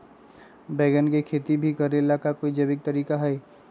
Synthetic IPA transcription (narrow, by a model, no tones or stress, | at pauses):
bɛːɡənkekʰeːt̪ibʱikəɾelakakoːid͡ʒɐbɪk̚t̪ɐɾiːkaɦɛː